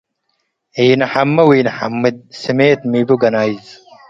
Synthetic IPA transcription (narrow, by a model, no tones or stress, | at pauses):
iːnɐħamːɐwiːnɐħamːid̪̚simeːt̪mibuɡɐnaːjz